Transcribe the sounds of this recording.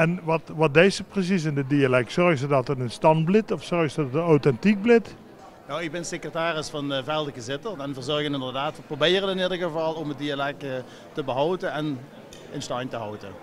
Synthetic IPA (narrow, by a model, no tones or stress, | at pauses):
ɛnʋɑtʋɑt̚dejsəprəs̬is̬ɪndədialɛk̚tsɔrɣzədɑtətənstɑnblɪtɔfsɔrɣsdɔttənowtɛntik̚blɪt | nowɪɡ̚bɪnsekrataːrɪsfɑnəvɛjlˠdəkəzɪtəɛnvəɹzɔɹɣənɪndərdaːtʋəprobɪːrənɪnɪdəɹɣəvɑlˠɔmədialɛk̚ | təbəɦɔwdəɛn | ənstɑjntəɦɔwtə